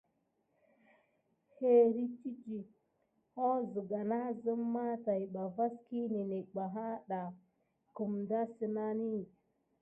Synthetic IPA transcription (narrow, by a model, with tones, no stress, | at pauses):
he˦ɾi˦t͡ʃi˦t͡ʃi˨ | ho˦zə˨ɡa˨na˦zə˦mː˦a˦ta˨jɓa˨va˦ski˦ne˨ne˨ɡ͡ba˨ɦa˦ɗa˨ | ku˨mda˦si˨na˦ni˦˨